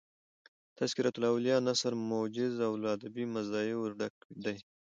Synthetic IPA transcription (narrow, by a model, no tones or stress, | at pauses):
t̪ʰaskiɾat̪ulawljɑnasaɾmod͡ʒɪzawlɑːd̪abimazɑiwɖak̚ɖ̪aj